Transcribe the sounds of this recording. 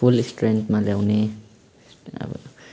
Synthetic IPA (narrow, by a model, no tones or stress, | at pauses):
ulistɾɛ̃nt̪malawne | a̰